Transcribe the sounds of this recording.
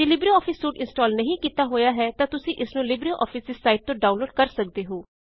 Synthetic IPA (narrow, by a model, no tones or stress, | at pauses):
d͡ʒeːlɪbɾiɔːpʰɪsːuːʈɪ̃nsʈɔːlnəɦĩːkiːt̪aːɦoːjaːɦɛːt̪ãːt̪ʊsĩːʔɪsnũːlɪbɾioʔɔ̰ːfʰɪsɪsːaːɪʈ̚t̪õːɖaːʊnloːɖ̚kəɾsək̚d̪eːɦoː